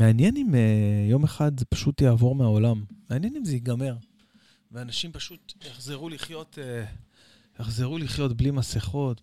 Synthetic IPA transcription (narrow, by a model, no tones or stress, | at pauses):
meanjenimejo̞me̞χad̪zepḁʃutjaːvo̞ʁmeao̞lamːeanjenimzejiɡame̞ʁ | veanaʃimpaʃut̪jaχzeʁuliχjo̞t̪ʰe | jaχzeʁuliχjo̞tblimaseχo̞t